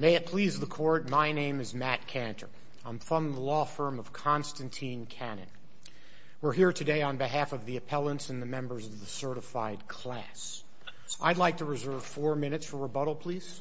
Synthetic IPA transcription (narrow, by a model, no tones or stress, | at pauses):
meɪɨt̚pʰl̥izðəkʰɔɹt̚maɪnẽɪ̃mɨzmæt̚kʰæ̃ntʰə̰˞ | ãɪ̃ɱfʌ̃nðəlɔfɜ̃˞mʌv̥kʰɑ̃nstɨ̃n̩tʰĩnkʰænɨ̰̃n | wɪɹɦiɹtʰɨdeɪə̃nbɨɦæfʌvðiɨpʰɛlˠə̃ntsɨ̃n̩ðɨmɛ̃mbə˞zʌvðəsɜ˞ɾɨfaɪd̚kʰl̥æ̰ | s | ʔaɪdˡlaɪk̚tʰɨɹɨzɜ˞v̥fɔɹmɪ̃ñɨtsfə˞əbʌɾl̩ˠpʰl̥is